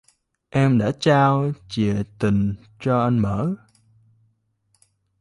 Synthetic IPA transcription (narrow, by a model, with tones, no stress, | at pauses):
ʔɛ˧mɗa̰ː˧˥t͡ɕaː˧wt͡ɕi˨˩˨ət̪ï˨˩ŋ | t͡ɕɔ˧ʔa˧jŋməː˧˥